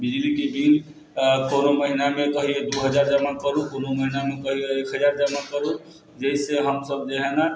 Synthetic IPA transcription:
bid͡ʒlikibin | konoməɦinamẽk̪əɦied̪uɦəd͡ʒaɾd͡ʒamənkəɾukonoməɦinamekəɦieekʰɦəd͡ʒaɾd͡ʒaməkəɾu | d͡ʒəiseɦəmsəb̚d͡ʒeɦɛna

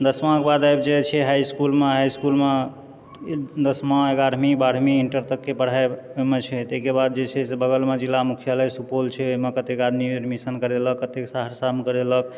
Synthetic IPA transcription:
d̪əsmãkbad̪ajbd͡ʒet͡ʃʰɛɦajskulmeɦajskulme | d̪əsmãeɡaɾʱmibaɽʱmiːɳʈəɾt̪əkːepəɽ̤aemet͡ʃʰɛt̪ekebad̪̚d͡ʒet͡ʃʰɛsebəɡəlmed͡ʒilːamukʰijaləjsupolt͡ʃʰɛoɦmekət̪ekad̪miɾmisənkəɾeləkːət̪eksaɦəɾsamkəɾelək̚

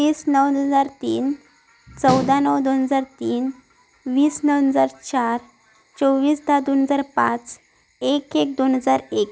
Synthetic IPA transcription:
iːsnəwd͡zaɾt̪iːn | t͡səwd̪ʱanəwd̪onɦəd͡zaɾt̪iːn | ʋiːsnəwɦəd͡zaɾt͡ɕaɾ | t͡soʋiːsd̪ad̪onɦəd͡zaɾpã̰t͡s | ekek̚d̪onɦəd͡zaɾek

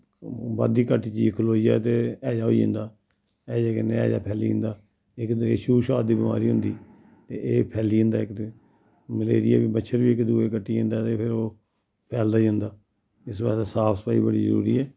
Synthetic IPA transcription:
ba̰ːd̪iːkəʈiːt͡ʃiːd͡ʒkʰʊloːijaːt̪eːɛːd͡ʒaːɦo̰iə̰̃nd̪aː | ɛːd͡ʒaːkəneːɛ̰ːd͡ʒa̰ːpʰɛːlĩːnd̪aː | ɪkd̪eːʃuːʃaːd̪iːbɪma̰ːɾiːɦʊnd̪iː | t̪eːʔeːpʰɛːliːɦʊ̃nd̪aːɪkd̪e | məlḛːɾɪja̰ːbiːbətːʃʰəɾbiːɪkd̪uːeːkəʈːiːə̃nd̪aːt̪eːpʰɪɾoː | pʰɛːld̪aːiənd̪aː | ɪsbɛːsasaːpʰsə̥paːiːbəɽiːzəɾṵːɾḭːɛː

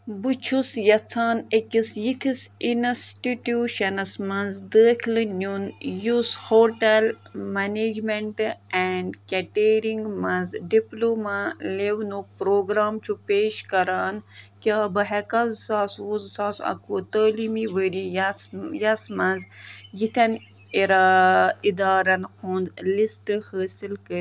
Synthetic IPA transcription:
but͡ʃʰusjɐt͡sʰaːnekʲisjit̪ʰisinsʈiʈuːʃɐnɐsmɐnzd̪əːkʰlɨnunjushoːʈel | mɐneːd͡ʒmeɳʈɛɳɖkeʈeːɾiŋɡmɐ̃nzɖiploːmaleʋnupɾoːɡɾaːmt͡ʃʰupeːʃkɐɾaːnkʲaːbɐɦɛkɐzsaːsuzsaːsɐ̰kʰut̪əːliːmiʋəɾijɐsjɐsmɐ̃nzjit̪ʰʲɐn | eɾaid̪aːɾɐnhʰuːnzlisʈɨhəːsilkəɾ

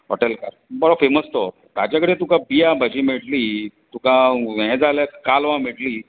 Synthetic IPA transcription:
ɦɔ̰ʈelkaɾbəɾɔfeməst̪o | t̪jat͡ɕjakəɽet̪ũkãbijabʱəd͡ʑiːmiɽliːt̪ũkãɦɛ̃d͡zaljakalʋãmiʈliː

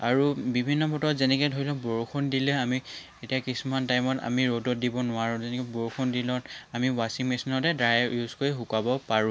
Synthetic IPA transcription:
aɹubibʱinːɔbʱɔtɔtzɛnɛkɔɛjdʱoɹilɔ̃boɹuxʰondilɛami | etiakisumantajmɔta̰miɹodɔt̚dibɔnʊaɹũzɛnɛkɔboɹuxʰondilɔ̃tamiwasiŋmisɔnɔtɛdɹajjuzkoɹiɦukabɔpaɹũ

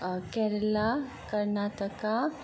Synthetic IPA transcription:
kɛɾla | kəɾnat̪əka

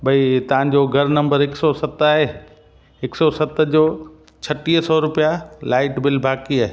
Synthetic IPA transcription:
bɐit̪ɐʋ̤ãɲd͡ʑoɡʱɐɾnɐ̃mbəɾɪksɔsɐt̪aːɦeː | ɪksɔsɐt̪d͡ʑoː | t͡ɕʰɐʈiːɦsɔɾʊpijalaːɪʈbɪlbʱaːkiaːɦe

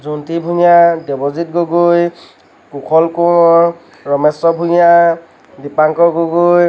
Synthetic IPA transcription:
zuntibʱuɲadɛbɔzit̚ɡoɡuj | kukʰɔlkuŋɔ | ɹɔmɛsɔbʱuɲa | dipaŋkɔɡoɡuj

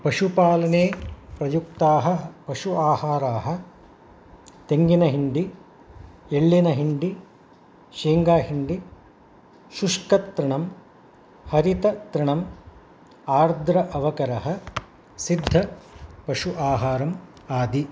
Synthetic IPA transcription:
pɐʃupaːlɐneːpɾɐjuk̚t̪aːɦɐpɐʃuaːhaːɾaːɦɐ̆ | t̪eŋɡinɐɦiɳɖi | eɭːinɐɦiɳɖi | ʃiːŋɡaːɦiɳɖi | ʃuʂkɐt̪ɾiɳɐm | hɐɾit̪ɐt̪ɾiɳɐm | aːɾd̪ʱɾɐʔɐʋɐkɐɾɐɦɐ | sid̪ʱːɐpɐʂuʔaːɦaːɾɐm | aːd̪i

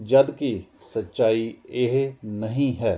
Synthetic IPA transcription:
d͡ʒɐd̪kisɐtːʃaːieɦnɐɦĩɦɛː

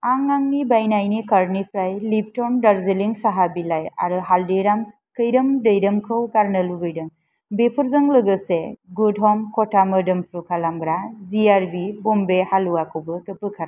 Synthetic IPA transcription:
aŋaŋnibajnajnikaɾnipʰɾajlip̚tɔmdaɾzeliŋsaɦabilaja̰ɾɯɦaldejɾam | kɯjɾɯmdəjdɯmkʰɯwɡaɾnəluɡɯjdɯm | bepʰɯɾzɯŋlɯɡɯseɡudɦɔmkʰɔtamɯdɯmpʰɾukʰalamɡɾaziaɾbibɔmbehaluakʰɯwbɯkɯpɯkʰaɾa

